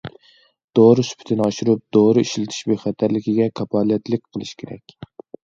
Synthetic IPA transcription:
d̪̥oɾɨsy̥pʰt̪ʰɪnɑʃuɾup̚d̪̥oɾɨiʃlɪt̪ʰɪ̥ʃbøjχæt̪ʰæɾlɪkʲiɡʲɛkʰɑpʰɑlˠjɛt̪ʰlɪkʲqʰəlˠɨʃkʲʰeɾɛ̰kʲ

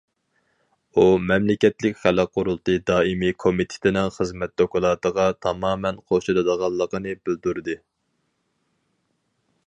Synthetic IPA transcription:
umɛmlɪkʲɛt̪lɪkʲχælæqʰːʊɾulˠt̪ʰɨd̪ɑːimikʰomit̪ʰɪ̥t̪ʰɪnɪŋχəzmɛt̪̚d̪okʊlˠɑːt̪əʁɑt̪ʰɑmɑːmɛnqʰoʃɑlɨd̪əʁɑlˠːəqənɨbɪld̪uɾd̪ɨ

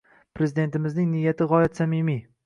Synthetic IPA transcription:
pɾe̞zɪd̪e̞nt̪ɪmɪznɪŋnɪjat̪ʰɪʁɒjat̪samimi

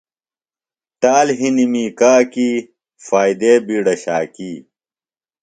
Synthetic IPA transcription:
ʈ̪aːlɦinimiːkaːkiː | faːjd̪eːbiːɽɐɕaːkiː

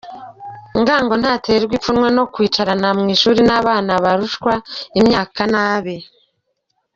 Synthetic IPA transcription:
ŋɡaːŋɡo̞n̥haːteɾiɾɡwifunŋweno̞kwiːt͡ʃaɾanamŋiːʃuːɾinaːβaːnaβaɾuʃkwaimɲaːkanaːβe

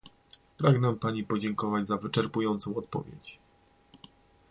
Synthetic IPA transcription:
pɾaɡnɛpaɲipɔd͡ʑɛŋkɔvad͡ʑzavɘt͡ʂɛɾpujɔnt̪sɔ̃w̃ɔt̪̚pɔ̰vʲjḛt͡ɕ

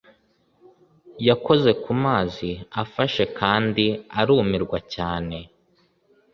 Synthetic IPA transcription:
jako̞ze̞kumaːziafaʃe̞kaːndiaɾuːmiɾɡwacaːne̞

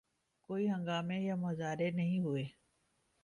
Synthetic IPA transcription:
koːiɦɐ̃ŋɡaːmẽjamɐzaːɾenɐɦĩɦueː

